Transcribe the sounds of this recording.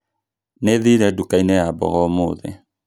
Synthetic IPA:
neðiɾɛdukainɛabɔ̰ɣɔmoːðɛ̰

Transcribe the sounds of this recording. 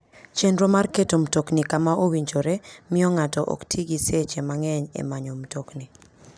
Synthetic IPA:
t͡ʃendɾomarketomtoknikamaʔowiɲd͡ʒoɾemɪɔŋatɔʔɔ̰ktʰiɡiset͡ʃemaŋɛɲḛmaɲomtokni

